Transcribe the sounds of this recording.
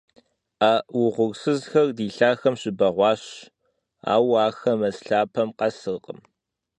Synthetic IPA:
aːwʊʁʷʊrsɨzxɐrdiːɬaːxɐmɕɪbɐʁʷɑːɕ | a̰ːwaːxɐmɐsɬaːpʰɐmqɐsɨqʼəm

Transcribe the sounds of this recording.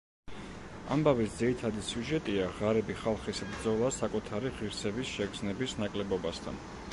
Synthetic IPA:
a̰mbavisd̪ziɾit̪ʰad̪isjuʒɛt̪ʼiaʁaɾɛbiχalˠχisbɾd̪zɔlˠasakʼut̪ʰaɾiʁiɾsɛbisʃɛɡ̪znɛbisnakʼlɛbɔbast̪ʰa̰n

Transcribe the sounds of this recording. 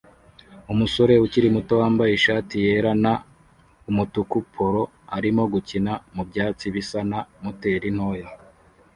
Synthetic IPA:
umuso̞ɾe̞uciɾimuto̞waːmbajiʃaːtije̞ɾana | umutukupʰoɾo̞ | aɾimo̞ɡucinamubɟaːt͡siβisanamute̞ɾin̥ho̞ːja

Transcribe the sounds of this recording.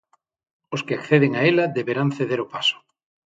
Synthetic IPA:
oskeakθeð̞eŋaelaðeβeɾanθeðeɾopaso̥

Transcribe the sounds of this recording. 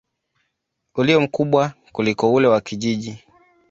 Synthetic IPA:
uliɔm̩kuɓwakulikɔulɛwakiʄiʄi

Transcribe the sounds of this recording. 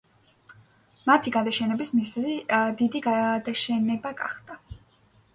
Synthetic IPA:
mat̪ʰiɡad̪aʃɛnɛbismizzid̪id̪iɡad̪aʃɛnɛbaɡa̰χd̪̥a

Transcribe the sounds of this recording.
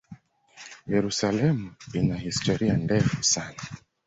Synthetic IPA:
jɛɾusalɛmuinahistɔɾiandɛfusana

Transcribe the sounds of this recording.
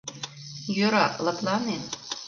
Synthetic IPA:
jøɾɑlˠɤ̆k̪lˠɑnen

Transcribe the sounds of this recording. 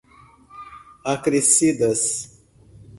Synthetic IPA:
akɾesid̪ɐs

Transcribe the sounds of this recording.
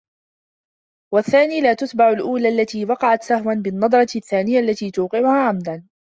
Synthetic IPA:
waθːaːniːlaːt̪ʊt̪baʕʊlʔuːlaːʔalːat̪iːwɑqɑʕat̪sahwanbɪnːɑd̪ˤɾˤɑθːaːnɪjaʔalːat̪iːt̪uːqɪʕʊhaːʕamd̪an

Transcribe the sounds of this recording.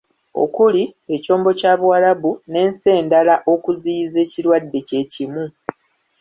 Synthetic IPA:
o̞̰kulie̞co̞ːmbo̞caːβuwalaβune̞ːnse̞ːndalaʔo̞kuziːze̞ːciɾwadːe̞ce̞ːcimu

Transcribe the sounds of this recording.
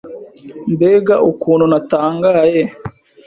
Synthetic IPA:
mbeːɡaʔukuːn̤unataːŋɡaːje

